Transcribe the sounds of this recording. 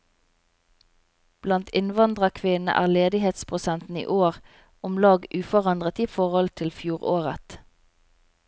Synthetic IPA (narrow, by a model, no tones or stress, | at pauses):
b̥lɑnt̪ʰɪnʋɑnd̪ʁɑkʰʋɪnə̰ʔæ̰ːʁleːd̪ɪheːt̪spʰʁʊsɛnt̪n̩ḭːʔoːʁ | ɔmlɑːɡʉːfɔʁɑnd̪ʁət̪iːfɔʁhɔlt̪ʰɪlfjuːʁoːʁət̪